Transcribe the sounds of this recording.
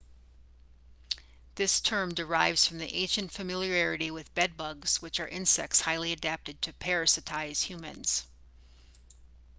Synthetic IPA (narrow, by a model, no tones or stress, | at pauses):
ðɪstʰɜ̃˞mdə˞aɪvz̥fɹʌ̃mðiʔḛ̃ɪ̃ʃɨ̃ntfɨmɪlˠjiɛɹɨɾiwɨðbɛd̚bʌɡz̥wɨt͡ʃə˞ʔɪ̃nsɛ̰k̚tshaɪlˠiɨdæp̚tɨd̚tʰɨpʰɛɹɨsɨtʰaɪz̥hjʉmɨ̰̃nz̥